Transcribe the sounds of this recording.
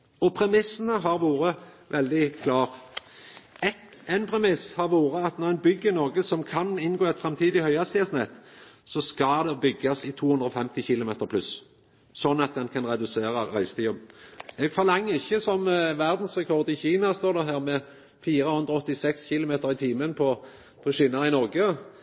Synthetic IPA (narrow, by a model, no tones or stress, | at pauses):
ɔpʰɾɛmɪsːənəɦɑʁʋoːɾə | ʋɛld̪ɪkʰlɑːʁ | ɛt̪ɛnpʰɾɛmɪshɑʁʋoːɾəɑt̪nɔʁɛɪnbʏɡːəɪnɔʁɡəsɔmkʰɑnɪnɡoːɛt̪fɾɛmt̪ʰiːd̪ɪhœʏɑst̪ɪɑsnɛt̪ː | sɔskɑd̪ɛbʏɡːɑsɪt̪ʰuːhʉnd̪ɾɔfɛmt̪ɪçɪlʊmeːt̪əɾpʰlʉs | sɔnːɑt̪̚d̪ɛnkʰɑnɾɛd̪ʉseːɾɑɾæɪst̪ʰiːʊmɛːɡfɔʁlɑŋːəɪçːəsɔmʋæʁd̪n̩sʁɛkʰɔʁd̪ɪçiːnɑst̪oːd̪ɛɦæːʁmɛ | fiːɾəhʉnd̪ɾɔɔt̪ːɪsɛksçɪlʊmeːt̪əɾɪt̪ʰiːmənpʰɔ | pʰɔɕiːnɑɪnɔʁɡə